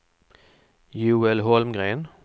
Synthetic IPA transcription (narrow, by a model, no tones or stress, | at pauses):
jʉːɛlhɔlmɡʁeːn